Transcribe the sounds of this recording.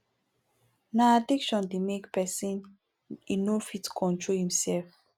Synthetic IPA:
naadikʃɔ̃ndemekpɛsĩn | inofitkʰɔ̃ntɹohĩmsɛlf

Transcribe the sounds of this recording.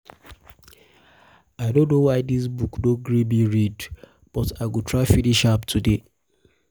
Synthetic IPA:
aɪdõnːowaɪdis̬bukdõɡɹibiɹid | b̥ɔtaɪɡutʰɹaɪfiniʃaptʰude

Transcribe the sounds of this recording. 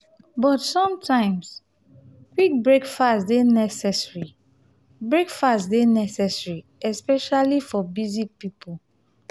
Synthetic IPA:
bɔtsɔ̃mtʰãɪ̃ms | kwik̚bɹekfasdenɛsɛsɹi | bɹekfatdenɛsɛsɹi | ɛspɛʃalifɔbizik̚pipul

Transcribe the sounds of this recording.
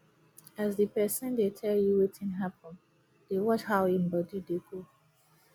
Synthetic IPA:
azðipɛsə̃ndetʰɛljuwetʰĩnɦapɔ̃n | d̥ewɔt͡ʃhaʊĩmbɔdideɡo

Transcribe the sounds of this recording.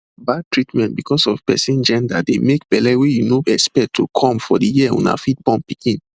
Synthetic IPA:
bad̚tɹitmɛ̃ntbikɔsɔvpɛsĩnd͡ʒɛ̃ndademek̚b̥ɛlɛwejunoɛkspɛk̚tʰːukʰɔ̃mfɔdəjiɛṵ̃na̰fit̚bɔ̃npikĩn

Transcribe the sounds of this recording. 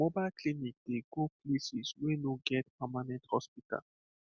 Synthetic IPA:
mobaɪlkʰlinik̚d̥eɡoplisiswɛnoɡɛt̚pʰamanɛ̃nthɔspita̰l

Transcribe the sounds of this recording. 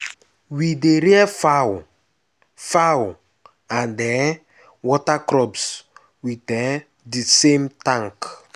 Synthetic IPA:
wideɾiɛfa | faw | adɛ | wɔtakɾɔbs | witɛ | disemtãŋk

